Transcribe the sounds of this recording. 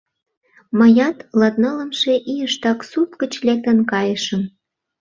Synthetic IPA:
məjɑt̪lɑt̪̚nɑlə̆mʃe̽ʔijəʃt̪ɑksup̚kət͡ɕlek̚t̪ə̆nkɑjəʃəm

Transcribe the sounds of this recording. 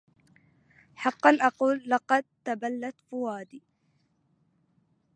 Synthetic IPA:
ħɑqːɑnʔɑquːlːɑqɑd̪̚t̪abalːat̪fʊwaːd̪iː

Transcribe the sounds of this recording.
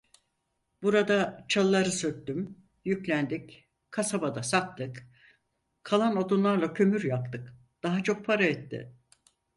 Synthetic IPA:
b̥uɾad̪at͡ʃʰalˠːaɾɯsøt̪̚t̪ym | jyclʲænd̪ic | kʰasabad̪asak̚t̪ʰɯk | kʰːalˠanod̪unlˠaɾlˠacʰø̞myɾjap̚t̪ʰɯk | d̪̥aɦat͡ʃʰo̞k̚pʰaɾaɛt̪ːɪ̰

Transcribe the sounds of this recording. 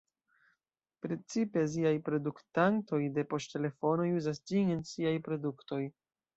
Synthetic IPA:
pɾe̞t͡sipe̞ziajpɾo̞duktanto̞jde̞po̞stte̞le̞fo̞no̞juzasd͡ʒinensiajpɾo̞dukto̞j

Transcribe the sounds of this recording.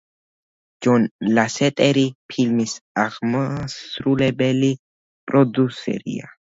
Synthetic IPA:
d͡ʒɔnlasɛt̪ʼɛɾipʰilmisaʁmɔsɾulɛbɛli | pʼɾɔd̪usɛ̰ɾḭa̰

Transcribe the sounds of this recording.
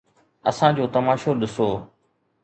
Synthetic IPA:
ɐ̰sãːd͡ʑoːt̪ɐmaːʃoɗɪsoː

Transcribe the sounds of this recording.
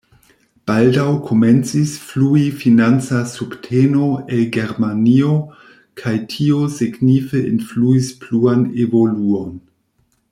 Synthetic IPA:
b̥aldawkʰo̞me̞nt͡sisfluifinant͡sasubtʰeno̞elɡe̞ɾmanio̞ | kʰajtʰiosiɡnifeʔḭnfluispluanevo̞luo̞n

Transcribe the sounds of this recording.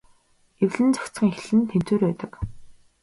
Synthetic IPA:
ewɮɘ̆nt͡sḁkt͡sɢə̆ŋxɮɘ̆nt̪ʰem̥t͡suːɾpæːt̪ə̆k

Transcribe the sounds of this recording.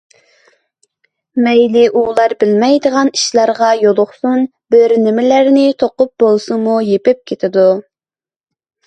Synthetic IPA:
mɛjlɪʔulˠɑɾbɪlmɛjd̪əʁɑniʃlˠɑɾʁɑjolˠʊχsun | bɪɾnɪmɪlæɾnɪt̪ʰoqʊp̚bolˠsuŋmujepɪp̚kʲʰet̪ʰɪd̪u

